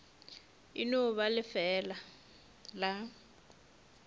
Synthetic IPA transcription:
ḭnʊβalɪfɛːla | la

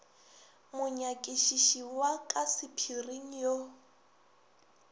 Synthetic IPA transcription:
mʊɲakʼiʃiʃiwakʼasɪpʰiriŋ̩jo

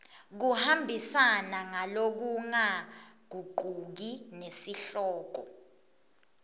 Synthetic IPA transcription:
k̬uhambʱisanaŋalok̬uŋak̬uɡ͡ǃʱuk̬inesiɬɔːk̬ɔ

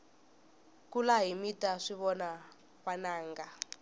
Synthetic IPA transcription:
kulaɦimitaʂiβɔna | βanaːŋɡa

